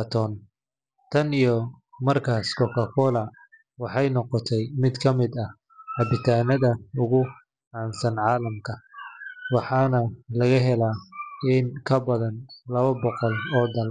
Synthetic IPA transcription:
ɐt̪ʰɔːn | t̪ʰɐnijɔmɐrkʰaːskʰɔkʰɐkʰɔːlɐ | wɑħɑjnɔqɔt̪ʰɛjmɪd̪kʰɐmɪd̪ɐh | ħɑbɪt̪ʰaːnɐðɐʊɣʊ | ʕaɑːnsɐnʕɑːlɐmkʰɐ | wɑħɑːnɐlɐɣɐɦɛlaːɪnkʰɐbɐðɐnlɐβɐbɔqɔlɔːd̪ɐl

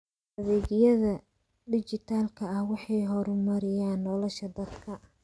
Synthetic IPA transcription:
ɐðɛːɣjɐðɐ | ɖɪt͡ʃɪt̪ʰaːlkʰɐɐhwɑħɑjɦɔɾʊmɐɾɪjaːnːɔlɔʃɐd̪ɐd̪kʰɐ

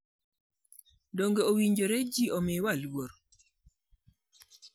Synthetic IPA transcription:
doŋɡeowiɲd͡ʒoɾed͡ʒiomɪwalwoɾ

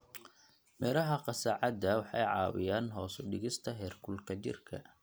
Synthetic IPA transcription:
mɛːlɐɦɐqɑsɐʕɑd̪ɐwɑħɑ̰jʕɑ̰ːwɪ̰jaːnɦɔːsʊɖɪɣɪst̪ʰɐɦɛːrkʰʊlkʰɐt͡ʃɪ̰rkʰɐ̰

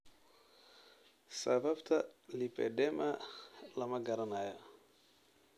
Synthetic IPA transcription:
sababtʰalipɛ̰dɛmalamaɡaɾanaja

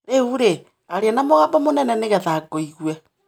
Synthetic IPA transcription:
ɾeuɾe | aɾeanamoɣabɔmonɛnɛneɣɛðaɡoiɣwɛ

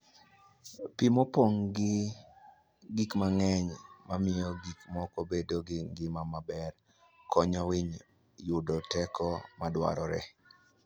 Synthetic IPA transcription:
pimopoŋɡɪ | ɡikmaŋɛɲmamɪjɔɡikmɔkobedoɡɪŋɡɪmamabɛr | kʰɔɲɔwiɲ | jʊdɔtɛkɔmadwa̰ɾɔɾɛ̰

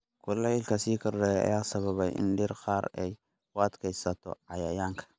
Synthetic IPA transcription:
kʰʊlɛɪlkʰɐsiːkʰɐrdɛjɐ̰jaːsɐβɐβɛjʔɪ̰nɖɪrqɑːɾɛj | kʊɐd̪kʰɛjsɐt̪ʰɔ̰ʕɑjajaːŋkʰɐ̥

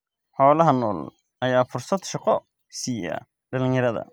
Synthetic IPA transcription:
ħɔːlɐɦɐnɔ̰ːl | ʔɐjaːfʊrsɐd̪ʃɑqɔ | siːjɐ̰ | ɖɐlɪ̃ɲjɐɾɐðɐ̰

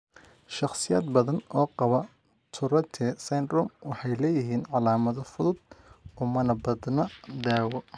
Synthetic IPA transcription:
ʃɑχsɪja̰ːd̪̚bɐðɐnɔːqɑβɐ | t̪ʰʊɾɐt̪ʰɛːsɐjnrɔmwɑħɑjlɛːjɪɦiːnʕɑlaːmɐðɔfʊðʊd̪̚ʊmɐnɐbɐd̪nɐd̪aːwɔ

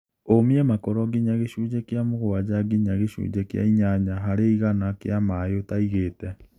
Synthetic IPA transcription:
omiɛmakɔɾɔɡiɲaɣeʃuːd͡ʑɛkjamoɣowad͡ʑaɡiɲaɣeɕṵːd͡ʒɛkja̰iɲaɲaɦaɾeiɣanakeamajotaiɣeːtɛ

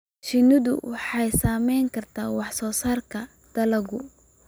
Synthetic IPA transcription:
ʃɪnɪðʊ̰wɑħɑjsaːmɛjŋkʰɐrt̪ʰaːwɑħsɔːsaːrkʰɐ | d̪̥ɐlɐɣʊ

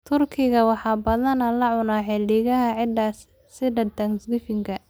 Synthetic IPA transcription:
t̪ʰʊrkʰɪɣɐwɑħɑːbɐðɐnɐlɐʕʊnaːħɛlɪɣɐɦɐʕɪdɐ | sɪdɐt̪ɐŋsɡ̪ɪfɪŋkʰɐ

